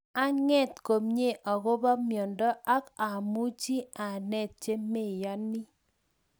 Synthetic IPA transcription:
a˦ŋɛ˦˨t̪̚ko˨mɲe˦˨ʔɔ˨ɣo˦bɔ˦mjɔ˨ndɔ˦ʔa˦ka˨mu˦t͡ʃi˦a˨nɛ˦˨t̚t͡ʃe˦mːe˦˨jɔ˦ni˦

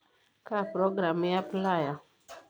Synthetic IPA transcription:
ka˦˨pɾɔ˦ɡɾa˨mi˦a˦pla˦˨ja˨

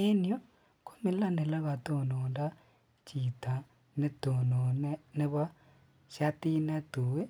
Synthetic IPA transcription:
e˦ni˨o˦ | kʰo̥˦me˦la˦ne˨la˦ɣa˨to˨no˨nda˦ | t͡ʃi˨ta˨ | ne˦to˨no˨ne˦ne˦βa˦ | ʃa˦ti˦na˦tu˨we˦

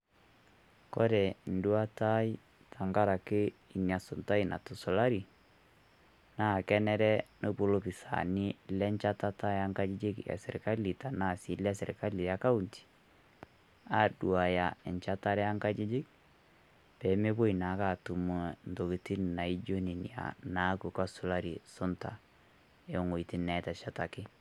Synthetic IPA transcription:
kɔ˦ɾɛ˨n̩˨dwa˦ta˦j | tʰa˨ŋɡa˦ɾa˨ke˦i˨ni˨a˨sʊ˨nta˦i˨na̰˨tʊ˨sɔ˨la˦ɾi˨ | na˦˨kɛ˦nɛ˦ɾɛ˦no˦bo˦lo˦pi˨sa̰˨ni˦lɛ˦ɲt͡ʃa˦ta˦ta˦ja˦ŋka˦d͡ʒi˦d͡ʒɪ˦kja̰˨sɛ˨ɾka˦li˨ta˨na˦˨si˨la˦sɛ̰˨ɾka˦li˨a˦ka˦u˦nti̥˨ | a˦˨du˨a˨ja˨ɛ˨ɲt͡ʃa˦ta˦ɾɛ˦a˦ŋka˦d͡ʒɪ˦d͡ʒɪ˦k̚ | pɛ˨me˦bo˦i˨na˨˦ka˨tu˨mu˨ndo˨ki˨ti˦˨na˨i˦d͡ʒo˦ni˨nja̰˨na˦ku˨ka˦sʊ˨la˦ɾi˨sʊ˦nta˨ | ɛ˨ŋo˨i˨ti˨nɛ˨˦ta˨ʃa˨ta˨kɪ˦

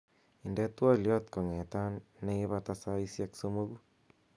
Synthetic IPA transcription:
i˨nde˦twa˦ljɔ˦t̪ko˨ŋe˨t̪a˦nne˦i˦βa˦t̪a˦sa˦i˦sja˦kso˦mo˦ɣu˦

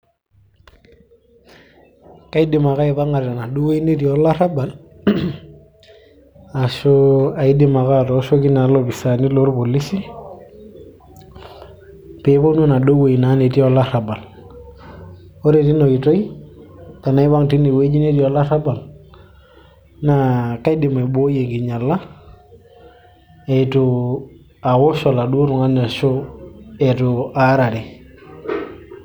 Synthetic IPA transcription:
ka˦i˦di˨ma˨ka˦i˨ba˦ŋa˨ɾta˨na˨do˦we˦i˦ne˦ti˨o˦la˦ɾa˦ba˨l | a˨ʃoa˨i˦di˦ma˨ka˦tɔ˨˦ʃo˦ki˦na˨lobi˨sa˨ni˦lo˦ɾpo˨li˦si˦ | pe˨˦bo˦nu˦na˨do˦wo˨i˨na˨˦ne˨ti˦o˦la˦ɾa˨ba˨l | ɔ˦ɾe˨ti˦no˨i˨tɔ˦j | ta˨na˦i˦wa˦ŋti˦ni˨we˦d͡ʒi˦ne˦ti˦ɔ˦la˦ra˦ba˨l | na˨ka˦jdɪ˨ma˨bo˦je˨ŋɡi˨ɲa˨lːa˦ | e˨tu | a˨wɔ˦ʃɔ˨la˨du˦ɾu˨ŋa˦na˨ʃo | e˨tu˨a˨˦ɾa˨te˨

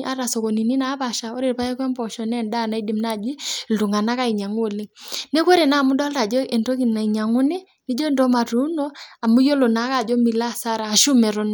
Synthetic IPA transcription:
ʔa˦ɾa˨so˨ko˨ni˨ni˦na˨˦βa˨ʃa˨o˦ɾe˨ɾpa˦jɛ˦kɛ˦mbɔ˨ʃɔ˨nɛ˦˨nda˦˨na˨i˦di˦mna˦˨d͡ʒwi˦˨ldu˨ŋa˨na˦ka˦i˨ɲa˨ŋo˦˨li˦ne˦kwe˦ɾe˨na˦˨mu˦dɔ˦lɾa˨d͡ʒo˦ʔe˨ndo˦ki˨nna˨i˨ɲa˨ŋo˦ne˦ | ni˦d͡ʒo˦e˦ndo˦ma˨tu˨˦no˦a˨mu˦jo˦lo˨na˨˦ka˦˨d͡ʒo˦mi˨la˦˨sa˦ɾaː˨ʃu˦mɛ˨ɾo˦n

